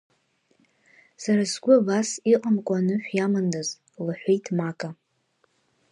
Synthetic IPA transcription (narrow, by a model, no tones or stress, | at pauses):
saɾasɡʷʊabasiqʼamkʷʼanɨħᶣjamandaz | laħʷejtʰmakʼa